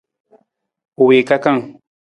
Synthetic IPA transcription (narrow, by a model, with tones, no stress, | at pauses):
ʊ˨we˨ka˦ka˦ŋ